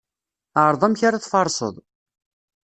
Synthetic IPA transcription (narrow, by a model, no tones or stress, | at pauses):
aɾˤðˤæmçaɾaθfɑɾˤsˤə̰ðˤ